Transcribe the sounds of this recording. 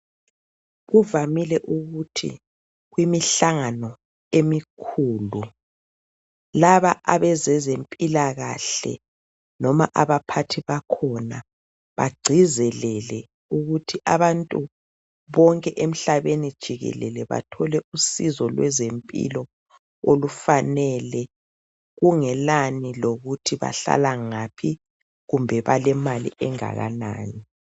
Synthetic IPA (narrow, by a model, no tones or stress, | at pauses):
ɣuvamilɛʔuɣutʰḭ | ɣwimiɬaŋanɔ | emikʰuːlu | laβaʔaβɛzɛzempʼilaɣaɬɛ̰ | nɔmaʔaβapʰatʰiβakʰɔna | βa̰ɡ͡ǀʱizɛlɛlɛ | uɣutʰiʔaβantʼu | βɔŋkʼɛʔem̩ɬaβenid̥ʒ̥ʱiɣɛ̰lɛ̰lɛβa̰tʰɔlɛusizɔlwɛzempʼḭlɔ | olufanɛlɛ | ɣuŋɛlaniloɣutʰiβa̰ɬa̰laŋapʰi | ɣumbʱɛβalɛmalḭʔɛŋa̰ɣa̰na̰ːni